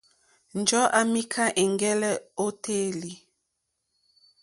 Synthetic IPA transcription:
n̩˨d͡ʒɔ˦ʔa˨mi˦kʰa˦ʔɛ˨ŋɡɛ˦lɛ˦o˦tʰe˦li˨

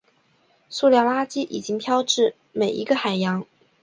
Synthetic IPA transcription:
su˥˧ljɑ˥˩ŋla˥t͡ɕi˥ʔi˨˩t͡ɕi˥ŋpʰjɑ˥ʊʈ͡ʂɻ̩˥˩ | me˨˩ɪʔḭ˧˥ɡə˧xa˨˩ɪjɑ˧˥ŋ

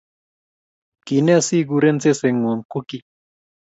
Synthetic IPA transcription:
ki˨˦nɛ˦a˦si˦ɡ̬u˧ɾe˦nt͡se˦se˨˧ŋo˨ŋ˨ku˦ki˦

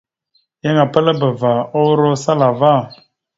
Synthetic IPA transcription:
ja˦ŋa˨pə˦lə˦bə˨va˨o˦ɾʊ˦sa˦la˨va˦˨

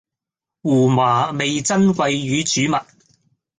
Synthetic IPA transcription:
wuː˨˩maː˨˩me˨jt͡sɐ˥nk̬ʷɐ˧jːyː˨˧t͡ʃyː˨˥mɐ˨t̚

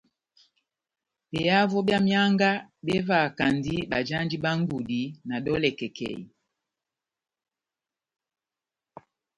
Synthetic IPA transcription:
be˨ja˦vɔ˦bja˦mja˦ŋɡa˦be˦va˨ka˨ndi˦ba˨d͡ʒa˦ndi˦ɓa˦ŋ˦ɡu˨di˨˦na˨ɗɔ˦lɛ˨kɛ˨kɛ̰˨ḭ˨

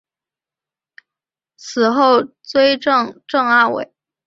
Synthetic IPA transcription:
t͡sʰɹ̩˨˩xo˥˩ʊt͡swe˥ɪʈ͡ʂɤ˥˩ŋʈ͡ʂɤ˥˩ŋa˥˩wḛ˨˩˦ɪ

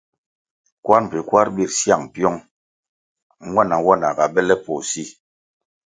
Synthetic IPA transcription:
kwa˦ɾm̩˨pi˨kwa˦ɾbi˦˨ɾsja˦˨ŋpjɔ˦ŋ˦ | wa˦˨na˨wa˦˨na˨ɡa˨bɛ˦lɛ˦pɔ˨si˦

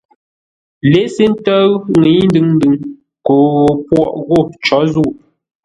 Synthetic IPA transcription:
le˨˦se˦n̩˦tə˦ŋi˨˦n˦dɨ˨ŋn̩˦dɨ˨ŋ | ko˨˦ɣo˨pwɔ̰˦˨ʔɣo˦˨t͡ʃɔ˨˦zu˦˨

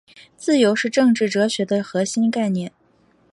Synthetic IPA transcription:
t͡sɹ̩˥˩jo˧˥ʊʂɻ̩˥˧ʈ͡ʂɤ˥˧ŋʈ͡ʂɻ̩˥˩ʈ͡ʂɤ˧˥ɕɥɛ˧˥d̪ə˧xɤ˧˥ɕi˥nka˥˧ɪnjɛ˥˩n

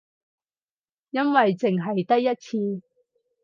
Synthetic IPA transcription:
jɐ˥nwɐ˨jt͡sɪ˨ŋɦɐ˨jt̪ɐ˥kjɐ˥t̚t͡sʰiː˧

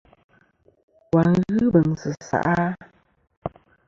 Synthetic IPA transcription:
kwa˨nɣɨ˦bə˨ŋsɨ˨sa̰˨ʔa˦

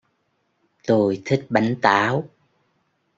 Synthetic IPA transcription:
t̪o˧jt̪ʰï˦˥k̚ɓa˨˦jŋ̟t̪aː˨˦w

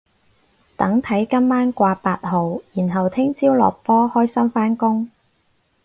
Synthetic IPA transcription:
t̪ɐ˨˥ŋt̪ʰɐ˨˥jkɐ˥mːaː˥nkʷaː˧paː˧t̚ɦo˨wjiː˨˩nɦɐ˨wt̪ʰɪ˥ŋt͡siː˥wlɔ̰ː˨k̚pɔː˥hɔː˥jsɐ˥mfaː˥nkʊ˥ŋ

